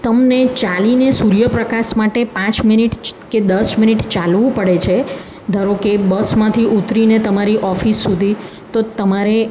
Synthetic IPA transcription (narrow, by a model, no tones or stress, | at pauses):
t̪əmnet͡ʃalinesuɾjəpɾəkaʃmaʈepãt͡ʃminiʈked̪əsminiʈt͡ʃalʋũpəɽet͡ʃʰe | d̪ʱəɾokebəsmãt̪ʰiʔut̪ɾinet̪əmaɾiʔɔfisːud̪ʱi | t̪ot̪əmaɾe